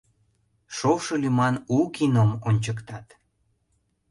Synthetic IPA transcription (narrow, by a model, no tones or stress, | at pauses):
ʃowʃɤ̆lymɑnukinomonʲt͡ɕəkt̪ɑt̪